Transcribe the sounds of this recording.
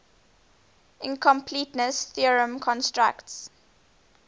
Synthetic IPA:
ʔɪ̃nkʰɔ̃mpʰlitnəsθiəɹə̃mkʰɔ̃nstɹa̰kts

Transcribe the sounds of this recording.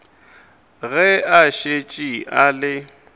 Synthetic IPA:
ɣɛaʃet͡ʃʼialɪ

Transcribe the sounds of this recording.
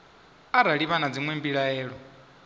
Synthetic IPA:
aɾaɺiβanad͡ziŋwembiɺaɛːɺɔ

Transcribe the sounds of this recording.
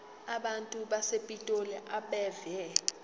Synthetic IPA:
aɓantʼuɓasepʼitʼolɛʔaɓɛvjɛ

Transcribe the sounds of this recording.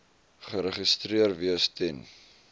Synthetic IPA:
χəɾəχistɾiərviəstɛn

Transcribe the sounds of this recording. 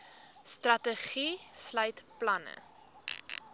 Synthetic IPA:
strɐtəχislœjtplɐnə̰

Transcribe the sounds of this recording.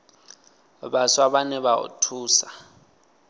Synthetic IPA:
ɓaswaɓanɛβaṵtʰuːsa

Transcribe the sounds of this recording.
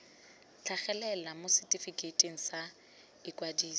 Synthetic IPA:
t͡ɬʰaχɛlɛlamosɛtʼifikʼetʼeŋ̩sa | ɪkʼwadiːsɔ̥

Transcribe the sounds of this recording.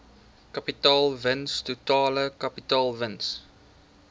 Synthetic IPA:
kɐpitɑːlˠvənstutɑːləkɐpitɑːlˠvəns

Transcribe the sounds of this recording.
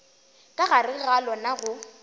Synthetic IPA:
kʼaɣarɪɣalɔnaɣʊ

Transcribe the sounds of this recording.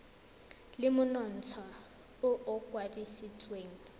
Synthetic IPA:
lɪmʊnɔn̩t͡sʰa | ʊʔʊkʼwadisit͡sʼweːŋ̩

